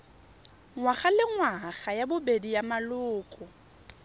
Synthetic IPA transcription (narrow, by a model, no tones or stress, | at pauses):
ŋwaχalɪŋwaɣajabʊbedijamalʊːkʼʊ